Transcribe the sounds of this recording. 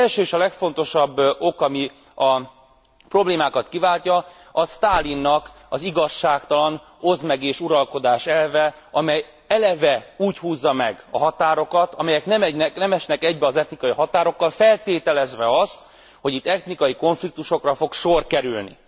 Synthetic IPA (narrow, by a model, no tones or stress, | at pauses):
ɛlʃøːeːʃɒlɛkfo̞n̪t̪o̞ʃɒbːo̞kɒmi | ɒ | pro̞bleːmaːkɒt̪kivaːlcɒ | ɒst̪aːlinːɒk | ɒziɡɒʃːaːkt̪ɒlɒn | ozmɛɡeːʃuɾɒlko̞d̪aːʃɛlvɛ | ɒmɛj | ɛlɛvɛuːchuːzːɒmɛɡɒ̰ɦɒt̪aːɾo̞kɒt̪ɒmɛjɛknɛmɛnɛknɛmɛʃnɛkɛɟbɛɒzɛt̪nikɒjiɦɒt̪aːɾo̞kːɒlfɛlt̪eːt̪ɛlɛzʋɛɒst̪ | ho̞ɟit̪ːɛt̪nikɒjiko̞ɱflik̚t̪uʃo̞krɒfo̞kʃo̞rkɛɾylnḭ